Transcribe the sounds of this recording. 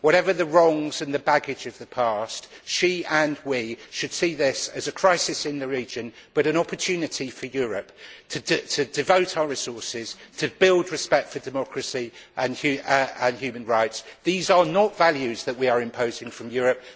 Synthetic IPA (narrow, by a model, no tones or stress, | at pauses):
wɒɾɛvə˞ðəɹɒ̃ŋzə̃nðəbaɡɪd͡ʒʌvðəpʰɑˑstʃiə̃nwiʃɨd̥siðɪsəzəkʰɹ̥aɪsɪsɪ̃nðəɹiːd͡ʒɨ̃nb̥ʌɾɨ̃ñɒpətʰʉnɪtʰifəjɔːɹəp̚tʰɨdtʰɨdɪvəʊtʰaʊəɹɪsɔɹsɪz̥tʰɨbɪlˠdɹɪspɛk̚tfə˞dɪmɒkʰɹəsiʔə̃nʉə̃nhjʉːmə̃nɹaɪtsðiːzənətvaljʉzðəʔwiəɹɪ̃mpʰəʊzɪ̃ŋfɹə̃mjɔːɹəp̚